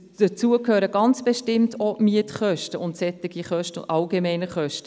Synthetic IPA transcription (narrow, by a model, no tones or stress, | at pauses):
d̥ət͡suəkhøːɾəɡɑnt͡sb̥eʃtɪmtʰomiətχœʃtəʊntsɛtːɪɡiχœʃtəʔɑlɡemɛɪnəχœʃtə̥